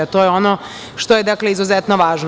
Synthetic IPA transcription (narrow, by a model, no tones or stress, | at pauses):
at̪oːjeono | ʃt̪oje̞d̪akleizuzɛt̪noʋaːʒn